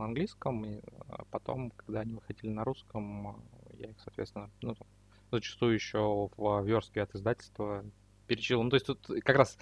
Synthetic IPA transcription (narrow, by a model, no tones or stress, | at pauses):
ɐnɡlʲiskəmḭpɐt̪o̞̰mkɐɡd̪aɐnʲivɨxɐdʲilʲɪnɐɾuskəmja̰ixsɐːt̪vʲet̪st̪vʲɪnənut̪am | zət͡ɕɪ̥st̪ujʊjɪɕːovəvʲo̞rskʲɪɐt̪ɨzd̪atʲɪlʲst̪və | pʲɪɾʲɪt͡ɕilˠnt̪osʲt̪ʲt̪ut̪kɐkɾas